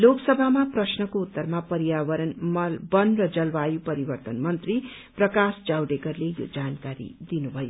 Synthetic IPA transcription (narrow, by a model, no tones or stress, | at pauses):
loksʌbʱamaprʌsnʌkout̪ːʌrmapʌɾijaβʌɾʌnmʌlbʌnrʌd͡zʌlbajupʌɾibʌrt̪ʌnmʌnt̪ri | prʌkasd͡zawɖekʌrlejo̰d͡zankaɾḭd̪inubʱʌjo